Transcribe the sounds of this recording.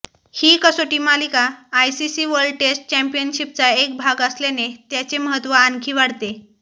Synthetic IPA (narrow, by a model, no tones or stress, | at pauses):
hiːkəsoʈiːmalikaːjsisiːʋəɾɖ̚ʈesʈ̚t͡ɕɛmpijənɕipt͡saek̚bʱaɡəslenet̪jat͡seməɦət̪ʋəankʰiːʋaɽt̪e